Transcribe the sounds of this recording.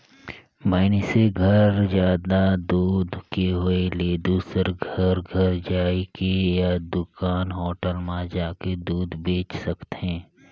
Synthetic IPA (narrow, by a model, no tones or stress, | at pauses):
maːniseɡʱəɾzjaːd̪ad̪uːd̪keɦʊeleːd̪uːsəɾɡʱəɾɡʱəɾd͡ʒaːikejad̪ʊkaːnɦɔːʈəlmãd͡ʒaːked̪uːd̪beːt͡ʃsɐkt̪eɦɛ̃ː